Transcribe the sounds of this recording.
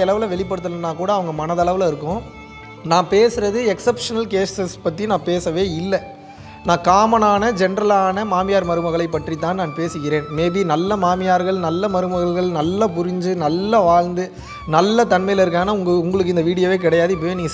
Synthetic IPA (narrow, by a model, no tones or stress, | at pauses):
ɛlɐʋɪlɐʋɛɭɪp̬ːɐɽɯt̪ːɐlɐnːãːkuːɽɐːʋɐŋɡɐmɐnɐðɐɭɐʋɪlɐɪɾɯkːʊ̃ | nãːpeːsɯɾɐðɯɛksɐpʂɐnɐlkeːsɛspɐʈ̪ːinãːpeːsɐʋeːɪlːɐ | nãːkaːmɐnaːnɐd͡ʒɛnɾɐlaːnɐmaːmɪjaːɾmɐɾɯmɐɣɐɭɐɪpːɐʈrit̪ːaːnnaːnpeːsɯɣɪɾeːnmeːbinɐlːɐmaːmɪjaːɾɣɐɭnɐlːɐmɐɾɯmɐɣɐɭɣɐɭnɐlːɐpʊɾɪɲd͡ʒɯnɐlːɐʋaːɻnd̪ɯ | nɐlːɐt̪ɐnmɐɪjɪlɐɪɾɯk̬ːaːnaːʊŋɡʊŋɡɐɭɯkːɯɪnd̪ɐʋiːɽɪjoːʋeːk̬ɪɽɐjaːðɯɪp̬ːɐjeːniːŋɡɐ